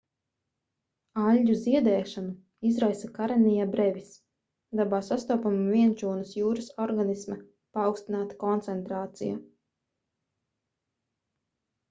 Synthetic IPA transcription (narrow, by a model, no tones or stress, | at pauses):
alʲːuziɛd̪ɛːʃanu | izɾajsakaɾanijabɾɛvʲis | d̪abaːsast̪ɔːpamvʲiɛnt͡ʃuːnasjuːɾɨsɔɾɡanisma | paːwkst̪inaːt̪ḁkɔnt̪sɛnt̪ɾaːt̪sḭja̰